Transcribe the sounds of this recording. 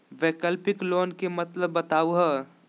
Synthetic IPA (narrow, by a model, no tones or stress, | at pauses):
ʋeːkəlpɪkloːnkemɐt̪ləbːɐt̪aːuɦəː